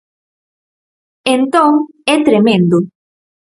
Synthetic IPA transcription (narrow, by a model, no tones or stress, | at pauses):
ent̪õŋ | ɛt̪ɾemẽnd̪o